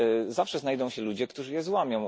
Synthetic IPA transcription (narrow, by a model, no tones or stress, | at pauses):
zafʂɛznajd̪ɔ̃w̃ɕɛlud͡ʑɛkt̪uʐɘjɛzwamʲjɔ̃w̃